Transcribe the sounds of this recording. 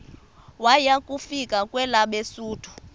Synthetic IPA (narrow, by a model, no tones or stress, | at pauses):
wajakʼufikʼakʼwɛlaɓesuːtʰu̥